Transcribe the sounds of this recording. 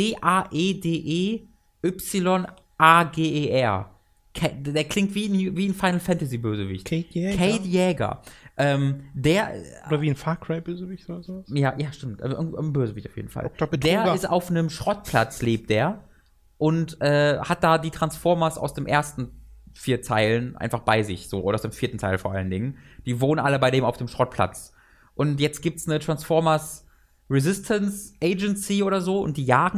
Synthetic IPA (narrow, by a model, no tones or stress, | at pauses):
deːʔaːʔeːdeːʔeː | ʔʏpsɪlɔn | ʔaːɡeːʔeːʔɛɐ | kʰɛdeːɐkl̥ɪŋtv̥iːnviːnfaɪnl̩fɛntaziːbøːzəvɪ̰çtɛɛkʰɛɪtjɛːɡɐ̰ʔɛːmdeːɐʔdɐviːnfaːkʁ̥aɪb̥øːzəvɪçtodɐzoːvajaːjaːʃtɪmtʔɛ̰ʔbøːzəvɪçtaʊfjḛːdn̩fa̰l̥d̥eːɐɪstaʊfnəmʃʁ̥ɔt̚pʰl̥a̰t͡sleːp̚t̚d̥eːɐ | ʔʊntʔɛːhat̚d̥aːdiːtʁ̥ansfɔɐmɐsa̰ʊsd̥eːmʔeːɐstn̩fiːɐtʰaɪlənʔa̰ɪnfaχb̥aɪzɪçz̥oːʔoːdɐaʊsd̥eːmfiːɐtn̩tʰaɪlnfɔɐʔa̰ləndɪŋənd̥iːvoːnənʔaləbaɪɾeːmaʊfd̥eːmʃʁ̥ɔt̚pʰl̥a̰t͡s | ʔʊntjɛt͡stɡ̥iːp̚tsnətʁ̥ansfɔɐmɐs | ʁizɪstʰənsʔeɪd͡ʒɛnsiʔoːɾɐzoːʊ̰nt̚d̥iːjaːɡŋ̩